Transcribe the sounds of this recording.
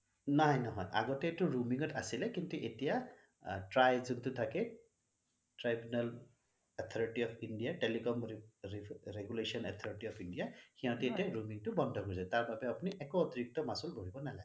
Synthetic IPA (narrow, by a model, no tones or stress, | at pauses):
nɔɦɔjnɔɦɔ̰jʔa̰ɡɔtɛtʊɹumiŋɔtʰa̰silɛkintuʔetija | tɹajzuntʊtʰakɛ | tɹajbunal | at̪ʰɔɹiʈiɔpʰindijaʈelikɔm | ɹeɡulesɔnɛt̪ʰɔɹiʈiɔpʰindijaxiãtɛetiaɹumiŋtʊbɔndʱɔkoɹizataɹbabɛapuniʔɛkɔːtiɹik̚tɔmasulɡʱoɹibɔnalaɡɛ